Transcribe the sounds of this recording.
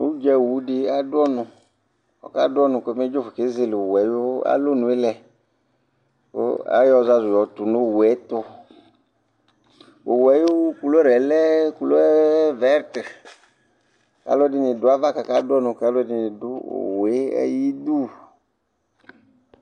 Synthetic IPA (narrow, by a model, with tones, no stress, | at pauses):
u˦d͡ʒɛ˦˨wu˨˦dɪ˧a˦dʊ˦ɔ˦nʊ̃˨ | ɔ̰˨ka˦dʊ˦ɔ˦nʊ̃˨ko˨˦me˦d͡ʒo˦fʊ˨ke˦zɪ˦lwɛ˨jo˦a̰˦lo˦nʊ̃˨e˦lɛ˨ | ko̰˦a̰˦jɔ˦za˦zʊ˨jɔ˨˦t̪ʊ˨nʊ˦˨wɛ˨˦t̪ʊ˦ | o˨wɛ˨˦jo˦ku˨lo˦ɾɛ˨lɛ˦ku˨lo˦vɛ˦ɾt | ka̰˨˦lɔ˦dɪ˨˦nɪ˨dʊ˦a˦va˦ka˨ka˦dʊ˦ɔ˦nʊ̃˨ka˨˦lo˦dɪ˦nɪ˨dʊ˦o̰˨we˦ɛ̰˦ji˦du˦˨